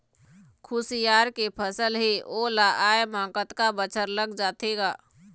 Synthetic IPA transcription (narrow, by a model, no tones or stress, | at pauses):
kʰʊsijaːɾkepʰəsəlɦeoːlaʔaːemãːkət̪kabət͡ʃʰəɾləɡd͡ʒaːt̪eɡaː